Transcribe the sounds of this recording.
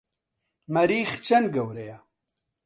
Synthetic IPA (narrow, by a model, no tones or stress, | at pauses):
mɐɾiːxt͡ʃɐnɡɐwɾeja